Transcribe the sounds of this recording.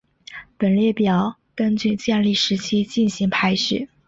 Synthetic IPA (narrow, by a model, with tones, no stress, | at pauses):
pə˨˩nljɛ˥˩pjɑ˨˩˦ʊ | kə˥nt͡ɕy˥˧t͡ɕjɛ˥˧nli˥˩ʂɻ̩˧˥t͡ɕʰi˥t͡ɕi˥˩nɕi˧˥ŋpʰa˥ɪʂɻ̩˥˩